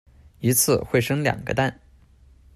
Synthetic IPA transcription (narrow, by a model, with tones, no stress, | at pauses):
i˧˥t͡sʰɹ̩˥˧xwe˥˩ɪʂɤ˥ŋljɑ̰˨˩ŋɡə̰˦t̪a˥˩n